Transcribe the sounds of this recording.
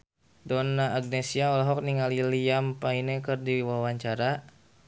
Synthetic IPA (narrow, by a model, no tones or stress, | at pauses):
dɔnaːɡ̚nɛsiaɔlaɦɔk̚niŋaliliampainɛkɨrdiwawaɲt͡ʃaɾa